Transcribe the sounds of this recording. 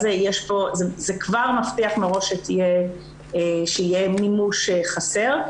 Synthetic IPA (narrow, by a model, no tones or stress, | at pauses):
zejeʃpo̞zezekvaʁmaftiaχmeʁo̞ʃetije | ʃeijemimuʃeχase̞ʁ